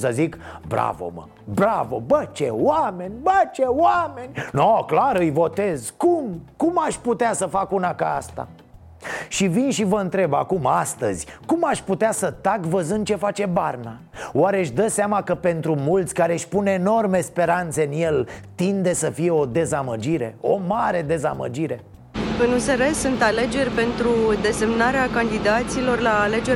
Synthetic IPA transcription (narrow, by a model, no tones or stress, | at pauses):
səzikbɾa̰vo̞̰mə̰ | bɾavo̞̰bət͡ʃḛwame̞nʲbət͡ʃewame̞nʲnoklaɾɨjvo̞t̪e̞zkumkumaʃʲput̪easəfakunakaa̰st̪a̰ | ʃivinʃivəɨnt̪ɾe̞ba̰kumast̪əzʲkumaʃʲput̪easət̪akvəzɨnd̪̚t͡ʃe̞fat͡ʃe̞barna | waɾe̞ɨʃd̪əseamakəpe̞nt̪ɾumult̪sʲkaɾe̞ʃʲpune̞no̞rme̞spe̞ɾant̪se̞ɨnje̞lt̪ind̪e̞səfije̞o̞d̪e̞zaməd͡ʒiɾe̞̰o̞maɾe̞d̪e̞zamə̰d͡ʒiɾe̞ | ɨnuseɾe̞sunt̪ale̞d͡ʒe̞rʲpe̞nt̪ɾud̪e̞se̞mnaɾeakand̪id̪at̪silo̞rlaːle̞d͡ʒe